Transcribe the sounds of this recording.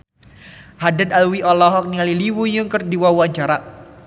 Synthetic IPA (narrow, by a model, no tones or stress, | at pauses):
hadad̪alwiʔɔlɔɦɔk̚nialiliwujuŋkərdiwawaɲt͡ʃaɾa